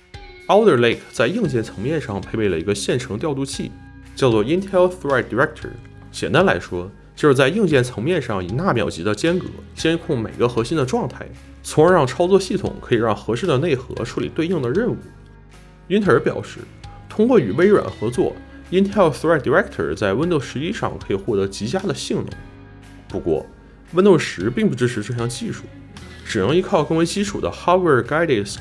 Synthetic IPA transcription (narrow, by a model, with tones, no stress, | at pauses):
ɑ˥ʊd̪ə˥˧˩le˥˩kʰt͡sa˥˧ɪi˥˧ŋt͡ɕjɛ˥˩nt͡sʰɤ̥˧˥ŋmjɛ˥˧nʂɑ˥˩ŋpʰe˥˧ɪpe˥˩ɪlə˩i˧˥ɡə˧ɕjɛ˥˩nʈ͡ʂʰɤ˧˥ŋt̪jɑ˥˧ʊt̪u˥˧t͡ɕʰḭ˥˩ | t͡ɕjɑ˥˧ʊt͡swɔ˥˩i˥nt̪ʰɛ˥lθ̚d̪i˨˩ɹɛ˥k̚t̪ʰə̰˨˩ | ɕjɛ˨˩nt̪a˥nla˧˥ɪʂwɔ˥ | t͡ɕjʊʂɻ̩˥˩t͡sa˥˧ɪi˥˧ŋt͡ɕjɛ˥˩nt͡sʰɤ˧˥ŋmjɛ˥˧nʂɑ˥˩ŋi˨˩na˥˩mjɑ˨˩ʊt͡ɕi˧˥d̪ə˧t͡ɕjɛ˥nkɤ̰˧˥t͡ɕjɛ˥nkʰʊ˥˩ŋme˨˩ɪɡə˦xɤ˧˥ɕi˥nd̪ə˨ʈ͡ʂwɑ˥˧ŋt̪ʰa˥˩ɪ | t͡sʰʊ˧˥ŋə˞˧˥ɻɑ˥˩ŋʈ͡ʂʰɑ˥ʊt͡swɔ˥˧ɕi˥˩t̪ʰʊ̰˨˩˦ŋkʰɤ˧˥i˨˩ɻɑ˥˩ŋxɤ˧˥ʂɻ̩˥˩d̪ə˩ne˥˩ɪxɤ̰˧˥ʈ͡ʂʰu˧˥lḭ˨˩t̪we˧i˥˩ŋd̪ə˩ɻə˥˧˩nṵ˥˩ | i˥nt̪ʰə˞˧˥pjɑ̰˨˩ʊʂɻ̩˥˩t̪ʰʊ˥ŋkwɔ˥˩y˨˩we˥ɪɻa̰˨˩nxɤ˧˥t͡swɔ̰˥˩ | i˥nt̪ʰɛ˥˩ʊθd̪i˨˩ɛ˥kt̪ʰə̰˞˨˩t͡sa˥˩ɪwə˥nt̪o˥˩ʊʂɻ̩˧˥i˥˧ʂɑ̰˥˩ŋkʰɤ˧˥i˨˩xwɔ˥˩t̪ɤ˧˥t͡ɕi˧˥t͡ɕja˥d̪ə˨ɕi˥˩ŋnʊ̰˧˩˥ŋ | pu˧˥kwɔ̰˥˩ | wə˥nt̪o˥˩ʊʂɻ̩˧˥pi˥˧ŋp̬u˥˩ʈ͡ʂɻ̩˥ʈ͡ʂʰɻ̩˧˥ʈ͡ʂɤ˥˩ɕjɑ˥ŋt͡ɕi˥˧ʂu˥˩ | ʈ͡ʂɻ̩˨˩nɤ˧˥ŋi˧˥kʰɑ˥˧ʊkɤ˥˩ŋwe˧˥ɪt͡ɕi˥ʈ͡ʂʰu˨˩d̪ə̰˦xa˥wə˥˧˩ka˥ɪd̪e˥˩ɪ